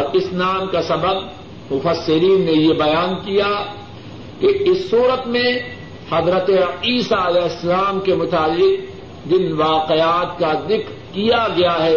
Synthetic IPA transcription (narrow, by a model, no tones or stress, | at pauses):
ɾɪsnaːmkasɐbəb̚ | mʊfɐsːɪɾiːnːejebɐjaːnkija | keɪsːuːɾət̪mẽ | hɐzɾət̪eiːsaɐlɛɦɪsːɐlaːmkemʊt̪aːlːɪq̚ | d͡ʒɪnʋaːqeaːt̪̚kad̪ɪkɾkijaɡɐjaɦɛː